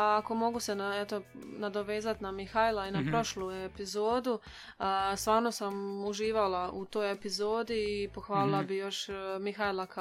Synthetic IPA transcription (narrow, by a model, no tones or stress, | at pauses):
ako̞mo̞ɡuse̞naet̪o̞nad̪o̞ʋe̞ːzat̪namixajlˠainapɾo̞ʃluepizo̞ːd̪u | əst̪ʋaːɾno̞samuʒiːʋalˠaʔut̪o̞ːjepizo̞ːd̪iːpo̞xʋaːlilˠabijo̞ʃmixailak